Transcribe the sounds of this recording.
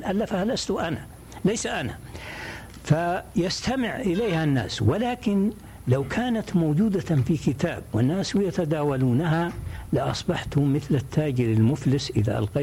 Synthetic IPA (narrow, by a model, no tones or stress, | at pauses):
ʔalːafahalast̪ʊʔana | lajsaʔana̰ | fajast̪amɪʕʔɪleːhanːa̰ːswɪlaːkɪn | lawkʰaːnat̪moːd͡ʒuːd̪afikɪt̪aːbwɪnːaːswjat̪ad̪aːwaluːnaɦalɪʔɑ̰sˤbɑħt̪hʊmːɪθlat̪ʰːaːd͡ʒɪɾɪlmʊflɪsʔɪða̰ʔɑ̰lqɑ